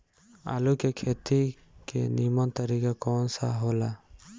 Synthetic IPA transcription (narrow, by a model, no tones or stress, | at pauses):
a̰ːlukekʰeːt̪i | kḛnimɔnt̪əɾikakɔːnsa̰ɦoːla